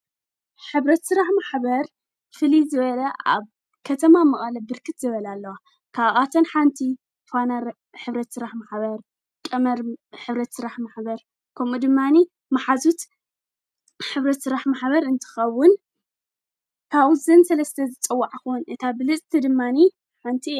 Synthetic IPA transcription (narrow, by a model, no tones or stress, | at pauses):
ħɨβɾɐt̪sɨɾaħmaħbɐɾ | fɨlizɨβɐlɐa̰β | kʰɐt̪ʰɐmamɐχʼɐlɐbɨɾkʰɨt̪zɨβɐlalːɐwa | kʰaβʔat̪ʰɐnħant̪ʰi | fanɐɾ | ħɨβɾɐt̪sɨɾaħmaħbɐɾ | kʼɐmɐɾħɨβɾɐt̪sɨɾaħmaħbɐɾ | kʰɐmud̪ɨmːani | maħazut̪ | ħɨβɾɐt̪sɨɾaħmaħbɐɾɨnt̪ʰɨ̥xɐwːʊn | kʰaβuzɨnsɐlɐst̪ʰɐzɨt͡sʼɨwːaʕakunʔɨt̪ʰabɨlɨt͡sʼt̪ʰɨd̪ɨmːani | ħant̪ʰi